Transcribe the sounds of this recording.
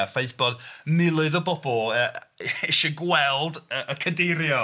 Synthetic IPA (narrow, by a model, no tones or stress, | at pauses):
afeɨθb̥ɔdmɪlˠɨðəbɔbɔlˠəeʃəɡwɛlˠdəʔəkʰədeɾjɔ